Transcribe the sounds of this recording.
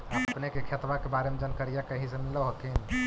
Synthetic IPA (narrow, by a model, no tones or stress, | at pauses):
əəpnekekʰet̪ʋakebaːɾemed͡ʒənkəɾijakəɦisemɪloɦot̪ʰin